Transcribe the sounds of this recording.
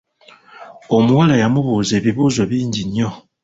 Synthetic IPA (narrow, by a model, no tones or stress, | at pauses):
omuwalajamuβozebiβuzɔbindiɲɔ